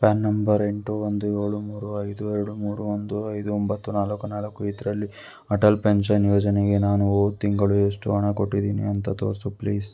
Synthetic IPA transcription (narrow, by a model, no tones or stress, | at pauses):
paːnːɐmbɐɾe̞ɳʈuʋond̪ue̞ːɭumuːɾuɐjd̪uɛɾuɽumuːɾuʋond̪uɐjd̪uɔmbɐt̪ːunaːlɐkːunaːlɐkːuit̪ɾɐlːi | ɐʈɐlpeɳʂɐnjoːd͡ʒɐneɡe̞naːnuoːt̪ːiŋɡɐɭue̞ːʂʈuɐɳɐkoʈːid̪iːnḭɐnt̪ɐt̪o̰ːɾsupliːs